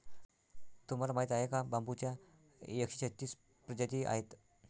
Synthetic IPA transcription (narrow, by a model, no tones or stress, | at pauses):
t̪um̤alamaɦit̪ajekabamput͡ɕja | jəkɕi̥ɕət͡ɕiːs | pɾəd͡ʑat̪iʔa̰ɦet̪